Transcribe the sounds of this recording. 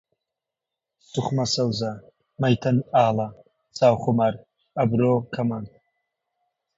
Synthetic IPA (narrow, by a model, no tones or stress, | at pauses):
suχmɐsɐwza | mɐjt̪ʰɐnaːla | z̥aːwχʊmɐɾ | ɐbɾokʰɐman